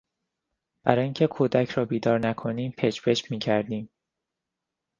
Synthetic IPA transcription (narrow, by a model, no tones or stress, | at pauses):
b̥æɾɒːjiːŋcʰe̞kʰuːd̪æcʰɾɒːbiːd̪ɒːɾnækʰo̞niːmpʰeʃpeʃmiːcʰæɾd̪iːm